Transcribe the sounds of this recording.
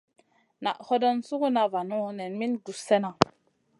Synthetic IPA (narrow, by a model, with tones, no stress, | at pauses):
na̰˨ʔho˦do˦nsu˦ku˦na˦va˨nu˦ne˨nmi˦ndu˨se˦na˨